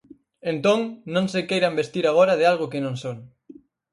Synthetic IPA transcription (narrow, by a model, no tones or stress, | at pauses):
ent̪õŋnõŋsekejɾambest̪iɾaɣ̞oɾaðɪalɣ̞ʊkɪnõŋsoŋ